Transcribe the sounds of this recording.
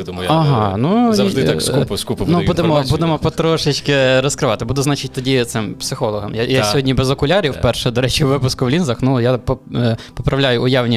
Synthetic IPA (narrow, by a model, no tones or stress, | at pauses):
d̪mjɐɦɑnu | kupɐskupnubud̪emɔbub̪emɔpɔt̪ɾɔʃɪt͡ʃʲkɪɾɔskɾɪʋɑt̪ɪbud̪ʊznɑt͡ʃɪt̚ʲt̪ɔdʲit̪sɪmpsɪxɔlˠɔɦɔmjajasʲɔɦɔdʲnʲibɛzɔkʊlʲaɾʲiwpɛrʃɛd̪ɔɾɛt͡ʃiʋɪpʊskʊwlʲinzɐxnujapɔpɔpɾɐʋlʲajʊʊjɑwnʲi